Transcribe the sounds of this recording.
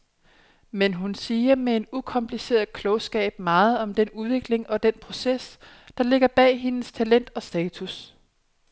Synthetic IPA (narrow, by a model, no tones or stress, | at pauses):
menɦunsiːɐmee̝dukʰɒ̽mpʰlise̝̰ːɐð̩ˠkʰlɔ̽ʊsɡ̥ɛ̰ːb̥mɑ̈ːð̞̩ˠɒ̽md̥enuðˠʋe̝ɡ̥le̝ŋɒ̽d̥enpʰʁo̝ses | d̥ɑ̈le̝ɡ̥ɐb̥ɛ̰ːɦe̝nəst͡sʰælen̰d̥ɒ̽sd̥ɛːt͡sʰus